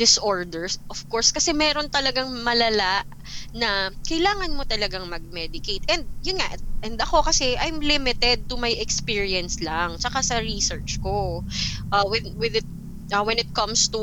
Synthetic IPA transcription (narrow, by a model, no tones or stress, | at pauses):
d̪ɪsʔoɹd̪ɛɹsʔɔfkoɹskɐsɛmɛːɾont̪ɐlɐɡaŋmɐlɐlaʔ | nɐkɐjlaːŋɐnmo̞t̪ɐlɐɡaŋmɐɡ̚mɛd̪ɪkejt̪ʔɛnd̪̚jʊnŋaʔʔɛnd̪ɐko̞kɐsɛʔajmlɪmɪt̪ɛd̪̚t̪ʊmɐjɛkspiːɹiɛnslɐŋt͡ʃɐkasɐɹisɛɹt͡ʃkoʔawɛnwɪðɪt̪̚ | ɐwɛnɪt̪̚kɐ̃mst̪u